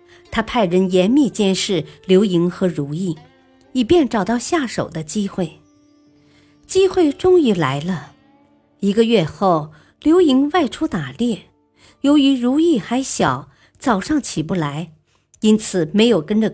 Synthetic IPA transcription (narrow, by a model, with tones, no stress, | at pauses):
t̪ʰa˥pʰa˥˩ɪɻə˧˥njɛ˧˥nmi˥˧t͡ɕjɛ˥nʂɻ̩˥˩ljo˧˥ʊi˧˥ŋxɤ˧˥ɻu˧˥i˥˩ | i˨˩pjɛ˥˩nʈ͡ʂɑ˨˩ʊt̪ɑ˥˧ʊɕja˥˩ʂo̰˨˩ʊd̪ə˦t͡ɕi˥xwe˥˩ɪ | t͡ɕi˥xwe˥˩ɪʈ͡ʂʊ˥ŋy˧˥la˧˥ɪlə˧ | i˧˥ɡə˧ɥɛ˥˧xo˥˩ʊ | ljo˧˥ʊi˧˥ŋwa˥˩ɪʈ͡ʂʰu˥t̪a˨˩ljɛ˥˩ | jo˧˥ʊy˧˥ɻu˧˥i˥˩xa˧˥ɪɕjɑ˨˩˦ʊ | t͡sɑ˨˩ʊʂɑ˥˩ŋt͡ɕʰi˨˩p̬u˥˩la˧˥ɪ | i˥nt͡sʰɹ̩˨˩me˧˥ɪjo˨˩ʊkə˥nʈ͡ʂə˨